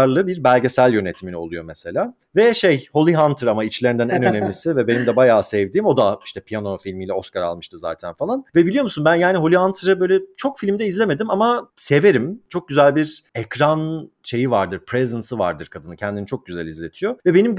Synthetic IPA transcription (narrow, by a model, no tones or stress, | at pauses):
ɾlˠɯbiɾbælʲɟesælʲjø̞net̪ʰiminio̞lˠujo̞mɛselʲaː | vɛʃejho̞lʲˠiɦant̪ʰɯɾamait͡ʃlʲeɾind̪ænɛnønemʲisivɛbe̞nimd̪ɛbajaːsɛvd̪iːmo̞d̪aiʃt̪ʰɛpʰijano̞filʲmiːlʲɛo̞skaɾa̰lˠmɯʃt̪ʰɯza̰ːt̪ʰænfalˠanvɛbilʲijo̞musunbænjaːniɦo̞lʲiɦant̪ʰɾɯbøjlʲɛt͡ʃʰo̞kfilʲimd̪ɛizlʲe̞me̞d̪imamase̞ve̞ɾimt͡ʃʰo̞k̚ɟyzælʲbiɾɛkɾanʃe̞jivaɾd̪ɯɾpʰɾezɯnsɯva̰ɾd̪ɯɾkʰad̪ɯnɯcʰɛnd̪init͡ʃʰo̞k̚ɟyzæ̰lʲizlʲet̪ʰijo̞vɛbe̞nim